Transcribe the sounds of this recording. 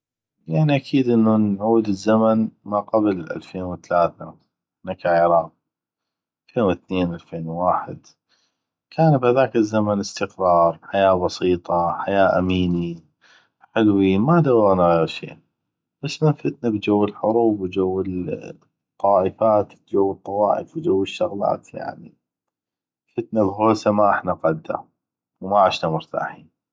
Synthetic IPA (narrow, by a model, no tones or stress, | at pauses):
jaʕniʔakʰiːd̪ʔɪnːunʕuːd̪ɪzːamanmaqablʔa̰lfeːnwɪθalaːθa̰ | nakaʕiɾˤɑːm̚ | alfeːnwɪθneːnʔalfeːnwaːħɪd̪ | kʰaːnbhaðaːkɪzːamanɪst̪ɪqɾˤɑːɾˤħajaːbɑsiːt̪ˤɑħajaːʔamiːni | ħɪlwimad̪awɾˤanaɣeːɾʃḛː | basmanfɪt̪nabd͡ʒawːɪlħʊɾuːbwd͡ʒawːɪ | t̪ˤːɑːʔəfaːt̪bd͡ʒawːət̪ˤːɑwɑ̰ːʔə̰fwd͡ʒawːɪʃːʊɣla̰ːt̪ja̰ʕnḭ | fɪt̪nabɣoːsamaʔɪħnaqɑd̪ːa̰ | wmaʕɪʃnamʊɾt̪a̰ːħi